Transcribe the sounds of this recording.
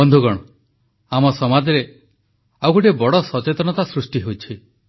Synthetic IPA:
ɔnd̪ʱuɡɔɽ̃ɔ | amɔsɔmad͡ʒɔɾe | awkuʈebɔɽɔsɔt͡ʃet̪ɔñɔt̪asɾusʈiɦowt͡ʃʰi

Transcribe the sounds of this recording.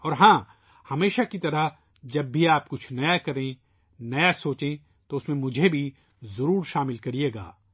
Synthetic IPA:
ɔːɾɦãː | hɐmeːʃakit̪ɐɾəɦ | d͡ʒɐbːʱiaːpkʊt͡ʃʰnɐjakɐɾẽ | nɐjasoːt͡ʃẽ | t̪oʊsmẽmʊd͡ʒʱebʱi | zɐɾuːɾʃaːmɪlkɐɾieːɡa̰ː

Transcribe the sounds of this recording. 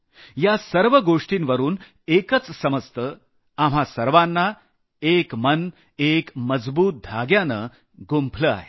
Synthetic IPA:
jasəɾʋəɡoʂʈiːnʋəɾuːn | ekət͡ssəməst̪ə | am̤ɦasəɾʋanːa | ekmən | ekməd͡zbuːt̪̚d̪ʱaɡjanə | ɡumpʰləa̰ɦe

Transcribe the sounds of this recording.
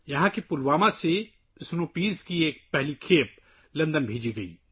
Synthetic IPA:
jɐɦãkipʊlwaːmãse | ɪsnopiːzkieːk̚pɛɦlikʰeːp̚ | lɐ̃nd̪ənbʱeːd͡ʒiɡɐḭː

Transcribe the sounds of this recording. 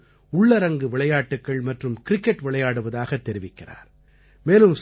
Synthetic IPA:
ʊɭːɐɾɐŋɡɯʋɪɭɐjaːʈːɯkːɐɭmɐʈrɯmkɪɾɪkːɛʈʋɪɭɐjaːɽɯʋɐðaːɣɐt̪ːɛɾɪʋɪkːɪra̰ːɾ | meːlɯms

